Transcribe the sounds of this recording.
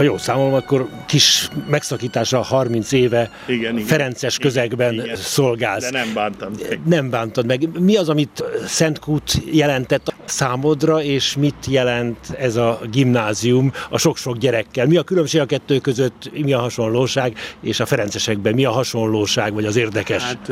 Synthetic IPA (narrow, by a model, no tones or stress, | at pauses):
hɒjoːsaːmolomɒkːo̞r | kiʃmɛksɒkiːt̪aːʃɒhɒrmint̪seːvɛ | ɡfɛɾɛnt̪sɛʃkøzɛɡbɛnso̞lɡaːlsaːnt̪nɛɱbaːnt̪ɒd̪mɛɡmiɒzɒmit̪sɛnt̪kuːt̪jɛlɛnt̪ɛt̪ːsaːmod̪rɒeːʃmit̪jɛlɛnt̪ɛzɒɡimnaːziumɒʃo̞kʃo̞ɡɟɛɾɛkːɛlmiɒkylømʃeːɡɒkɛt̪ːøːkøzøt̪ːmiɒɦɒʃo̞nloːʃaːɡeːʃɒfɛɾɛnt̪sɛʃɛɡbɛmiɒɦɒʃo̞nloːʃaːɡʋɒɟɒzeːrd̪ɛkɛʃ